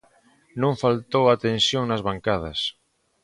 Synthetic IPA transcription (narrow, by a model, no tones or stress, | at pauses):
nõɱfalt̪owat̪ensjoŋnazβaŋkað̞ɐ̰s